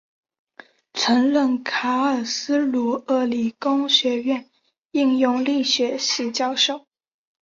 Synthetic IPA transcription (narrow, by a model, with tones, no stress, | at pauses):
ʈ͡ʂʰɤ˧˥ŋɻə˥˩nkʰa˧˥ə˨˩sɹ̩˥lu˧˥ə˥˩li˨˩kʊ˥ŋɕɥɛ˧˥ɥɛ˥˩˨n | i˥˧ŋjʊ˥˧ŋli˥˩ɕɥɛ˧˥ɕi˧˩t͡ɕjɑ˥˧ʊʂo˥˩ʊ